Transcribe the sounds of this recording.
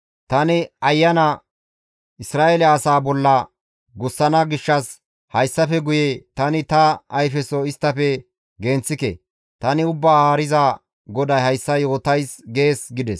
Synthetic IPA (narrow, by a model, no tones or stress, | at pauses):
t̪ɐnɪɐjːɐnɐ | ʔɪsɾaːʔelɛɐsaːbɔlːɐ | ɡʊsːɐnɐɡɪʃːɐs | hɐjsːɐfɛɡʊjet̪ɐnɪt̪ɐːjfɛsɔɪst̪ːɐfɛ | ɡɛnt͡sːɪkɛ̰ | t̪ɐnɪʊbːaːaːɾɪzɐ | ɡɔd̪ɐjhɐjsːɐjo̞ːt̪ɐjsɡe̞ːsɡɪd̪ɛs